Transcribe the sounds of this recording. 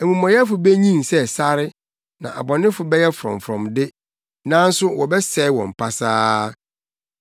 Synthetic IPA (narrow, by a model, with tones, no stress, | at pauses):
e˨mũ˨mɔ̃˨jɛ˦fʊ˨be˦ɲĩ˦sɛ˦sa˦ɾɪ˦ | nã̰˨ʔa˨bɔ˨nɪ̃˦fʊ˨bɛ˦jɛ˦fʊ˨ɾɔ̰̃˨ɱfɾɔ̰̃˨mdɪ˦ | nã˦n̩˦sʊ˦wɔ˨bɛ˦sɛ˨ɪ˦wɔ̰̃˨m̩˨pʰa˦saː˦